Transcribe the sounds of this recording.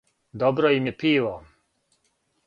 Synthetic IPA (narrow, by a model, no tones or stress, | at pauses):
d̪obɾojimjepiːʋo